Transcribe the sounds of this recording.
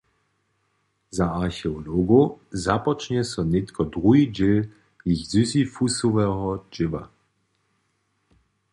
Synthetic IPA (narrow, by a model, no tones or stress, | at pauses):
zaaʁxɛɔloɡozapɔt͡ʃɲɛsɔnɪt̪kʰɔdʁuɦid͡ʑɪl | jixzysifusuvɛɦɔd͡ʒɪva̰